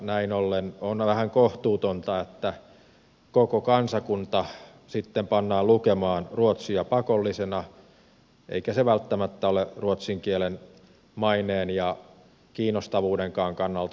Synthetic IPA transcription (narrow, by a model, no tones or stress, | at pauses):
næinolːenonʋæhæŋkoht̪uːt̪ont̪ɑet̪ːæ | kokokɑnsɑkunt̪ɑ | sit̪ːempɑnːɑːlukemɑːnruot̪siɑpɑkolːisenɑ | ʔḛikæseʋælt̪ːæmæt̪ːæoleruot̪siŋkielen | mɑineːnjɑ | kiːnːost̪ɑʋuːdeŋkɑːŋkɑnːɑlt̪ɑ